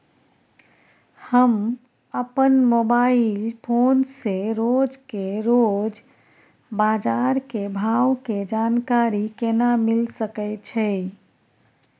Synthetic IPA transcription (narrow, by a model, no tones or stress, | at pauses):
həm | əpənmobailpʰonseɾod͡ʒkeɾod͡ʒ | bad͡ʒaɾkebʱawked͡ʒankaɾikenamilsəkɛɪt͡ʃʰɛ